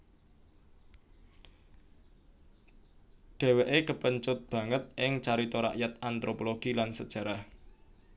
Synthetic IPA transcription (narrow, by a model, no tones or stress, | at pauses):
ɖ̥e̤weʔekəpəɲt͡ʃʊt̪̚b̥ä̤ŋət̪̚ʔɪŋt͡ʃaɾit̪ɔɾa̰ʔjat̪ant̪ɾopoloɡ̥ilansəd̥ʒ̥ä̤ɾah